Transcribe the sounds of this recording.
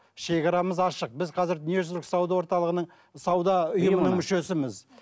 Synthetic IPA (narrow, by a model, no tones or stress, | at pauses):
ʃe̞kɑɾɑməzɑʃəq̚bɪzqʰɑzɪɾneʒʊzɾksɑwd̪ɑwo̞ɾt̪ɑlˠəʁənəɴ | sɑwd̪ɑʊjəmənəɴmʏʃe̞sɪmɪz